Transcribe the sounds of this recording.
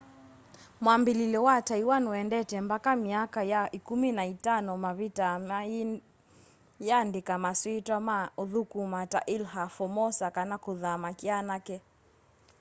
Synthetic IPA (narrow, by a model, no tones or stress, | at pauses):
mwambililɛwataiwanuɛndɛtɛmbakamiakajaikuminaitanɔmaβita | jandikamaswitwamaɔðukumataʔilɦafɔmɔsakanakuðamakianakɛ